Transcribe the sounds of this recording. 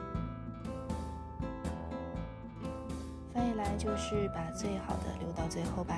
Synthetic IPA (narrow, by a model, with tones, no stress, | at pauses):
fe˥˩ɪla˧˥ɪt͡ɕjo˥˧ʊʂɻ̩˥˩pa˨˩t͡swe˥˩ɪxɑ˨˩ʊd̪ə̰˦ljo˧˥ʊt̪ɑ˥˧ʊt͡swe˥˧ɪxo˥˩ʊba˩